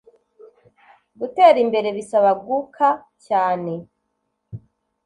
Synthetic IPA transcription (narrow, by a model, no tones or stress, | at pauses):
ɡute̞ːɾimbe̞ɾe̞βisaβaɡukʰa | caːne̞